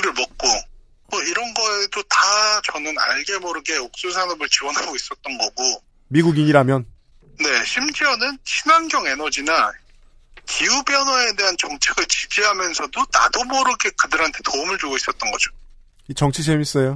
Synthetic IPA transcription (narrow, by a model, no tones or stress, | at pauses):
iɾɯɭmʌk̚k͈o | mʌiɾʌnɡʌedotat͡ɕʌnɯna̰ɭɡe̞bʌɾɯɡe̞ok̚s͈usʰanʌbɯɭt͡ɕiwʌnɦaɡois͈ʌt̚t͈ʌnɡʌɡo | miɡuɡiɲiɾamjʌn | ne̞ɕʰimd͡ʑiʌnɯnt͡ɕʰinanɡjʌŋe̞nʌd͡ʑina | kʰiubjʌnwʌe̞de̞ɦant͡ɕʌŋt͡ɕʰeɡɯɭt͡ɕi̥d͡ʑiɦamjʌnsʰʌdota̰dobʌɾɯɡe̞kɯdɯɾɦantʰe̞toumɯɭd͡ʑoɡois͈ʌt̚t͈ʌnɡʌd͡ʑo̥ | it͡ɕʌŋt͡ɕʰisʰemis͈ʌjo